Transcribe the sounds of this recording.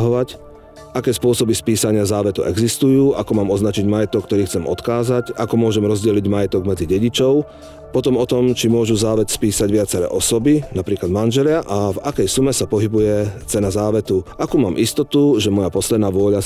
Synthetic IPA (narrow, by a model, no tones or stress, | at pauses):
ɦɔʋac | ʔakɛːspʊɔsɔbispiːsaɲɪazaːʋɛt̪uʔɛɡzist̪ujuːʔakɔmaːmɔznat͡ʃiɟmajɛt̪ɔkːt̪ɔɾiːxt͡sɛmʔɔ̰t̪kaːzacakɔmʊɔʒɛmɾɔzɟɛliɟmajɛt̪ɔɡmɛd͡ziɟɛɟit͡ʃɔʊ | pɔt̪ɔmɔt̪ɔmt͡ʃimʊɔʒuzaːʋɛt̪spiːsaɟʋɪat͡sɛɾɛ̰ːʔɔsɔbinapɾiːklad̪manʒɛlɪaʔavakɛjsumɛsapɔɦibujɛt͡sɛnazaːʋɛt̪uʔakuːmaːmʔist̪ɔt̪uʒɛmɔjapɔslɛd̪̚naːʋʊɔʎa